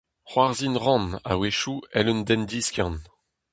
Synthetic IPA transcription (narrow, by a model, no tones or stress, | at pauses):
χwaʁzinʁɑ̃na̰weʃuɛlønd̪ɛnd̪iskjɑ̃n